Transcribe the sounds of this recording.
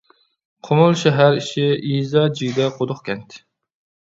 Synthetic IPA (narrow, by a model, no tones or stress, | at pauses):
qʰomʊlˠʃæɦæɾiʃɪizɑd͡ʒiɡʲd̪ɛqʰod̪ʊχkʲʰɛnt̪ʰ